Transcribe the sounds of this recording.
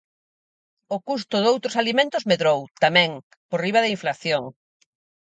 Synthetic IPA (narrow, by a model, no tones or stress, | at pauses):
ʊkust̪ʊðowt̪ɾosalimẽnt̪ʊzmeðɾowt̪amɛ̃ŋ | poɾriβɐðɐiɱflaθjoŋ